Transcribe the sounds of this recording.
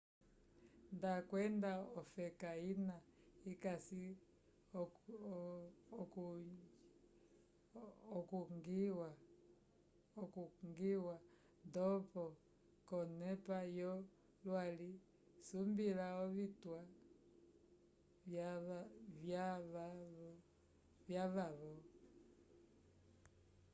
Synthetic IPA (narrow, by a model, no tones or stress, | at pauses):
ndakwɛndaɔfɛkainaikasi | k | ɔkuŋɡwa | kuŋɡiwa | ndɔpɔ | kɔnɛpajɔ | lwali | sumbilaɔβitwa | βja | vjaβaβɔ